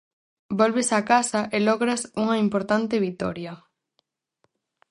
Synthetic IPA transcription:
bolβesakasɐʔelɔɣɾɐsuŋɐimpoɾt̪ant̪ɪβit̪ɔ̰ɾjɐ

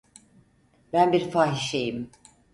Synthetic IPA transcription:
bænbiɾfaːɦiʃejim

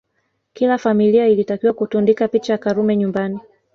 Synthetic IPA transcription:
kilafamiliailitakiwakutundikapit͡ʃajakaɾumɛɲumbani

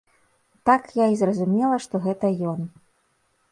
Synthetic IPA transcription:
t̪akjaizrɐzumʲɛlˠɐʂt̪ɔɣɛt̪ɐjɔn

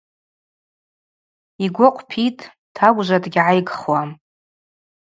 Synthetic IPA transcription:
iɡʷʊqʷʼʰpʰitʼ | tʰaɡʷʼʒʷadʼɡʲʕajɡχwam

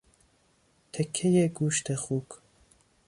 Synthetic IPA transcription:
t̪ʰekʰːejeɡuːʃt̪ʰexuːk

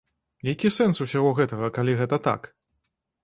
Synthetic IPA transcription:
jakʲisɛnsusʲaɣɔɣɛt̪ɐɣɐkalʲiɣɛt̪ɐt̪a̰k

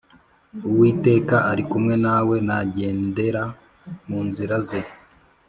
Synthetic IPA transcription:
uwiːte̞ːkaʔaɾikumŋe̞nawe̞naɟe̞ːnde̞ɾa | muːnziɾaze

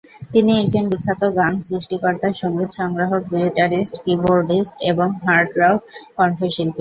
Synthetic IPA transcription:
t̪iniekd͡ʑonbikʰːat̪oɡansɾiʃʈikɔɾt̪aʃoŋɡid̪ʃɔŋɾaɦokmiliʈaɾisʈkiboɾɖisʈeboŋɦaɾɖɾawkɔɳʈʰoʃilpi

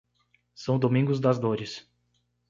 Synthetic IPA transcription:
sɐ̃w̃d̪omĩŋɡʊzd̪ɐzd̪oɾɪs

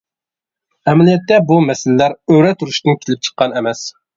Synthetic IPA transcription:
ɛmɛlijɛt̪ːɛbumɛsɪllæɾøɾɛt̪ʰuɾuʃt̪ɨnkʲʰelɪp̚t͡ʃʰə̥qːɑnɛmɛs

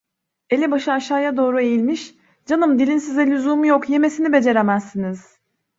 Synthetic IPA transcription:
e̞lʲibaʃɯaʃaːjad̪o̞ːɾue̞jilʲmiʃ | d͡ʒanɯmd̪ilʲinsizɛlʲyzuːmjokje̞me̞sinibe̞d͡ʒe̞ɾemæzːiniz̥

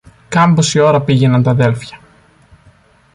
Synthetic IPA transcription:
kɐmbosio̞ɾɐpiʝe̞nɐnt̪ɐðe̞lfçɐ

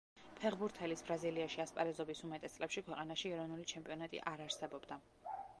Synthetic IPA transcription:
pʰɛʁbuɾt̪ʰɛlisbɾaziliaʃiaspʼa̰ɾɛzɔbisumat̪ʼɛst̪sʼlʔɛpʃikʰwɛqʼanaʃiɛɾɔvnulit͡ʃʰɛmpʼiɔnat̪ʼḭʔaɾaɾsɛbɔbd̪a

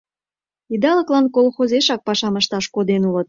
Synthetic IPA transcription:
id̪ɑləklɑnkolxozeʃɑk̚pɑʃɑməʃt̪ɑʃkod̪enulət̪̚

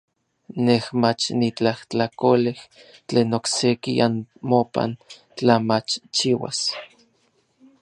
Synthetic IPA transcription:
nehmat͡ʃnit͡ɬaht͡ɬakoleh | t͡ɬeːnoksekianmopa̰n | t͡ɬamat͡ʃt͡ʃiwa̰s

